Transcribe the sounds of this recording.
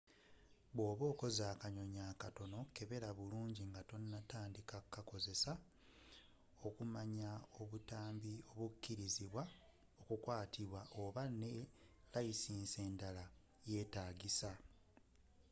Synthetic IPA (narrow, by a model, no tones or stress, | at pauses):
βwo̞ːβo̞ːko̞zaːkaɲo̞ɲaːkato̞no̞ke̞βe̞ɾaβuluːɲɟiŋɡato̞nːataːndikakːako̞ze̞sa | o̞kumaɲao̞βutaːmbio̞βukːiɾiziβwa | okukwaːtʰiβwaʔo̞βanelaisiːnse̞ːndala | je̞ːtaːɡisa